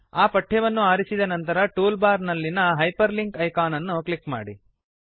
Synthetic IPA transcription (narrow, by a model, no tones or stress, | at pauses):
aːpɐʈʰːɛʋɐnːuaːɾisid̪ɐnɐnt̪ɐɾɐʈuːlbaːɾnɐlːinɐɦɐjpɐɾliŋkɐjkaːnɐnːuklikma̰ːɽḭ